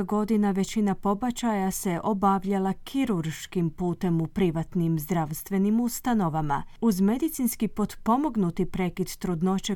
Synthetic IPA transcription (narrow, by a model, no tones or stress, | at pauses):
ɡo̞d̪inaʋe̞t͡ʃinapo̞bat͡ʃajase̞ʔo̞baʋʎalˠakʰiɾuɾʃkimpuːt̪e̞mupɾiʋat̪nimzd̪ɾaːʋst̪ʋe̞nimust̪ano̞ʋama̰uzme̞d̪it̪sinskipo̞d̪po̞mo̞ɡnut̪ipɾe̞kid̪ːɾud̪no̞t͡ʃe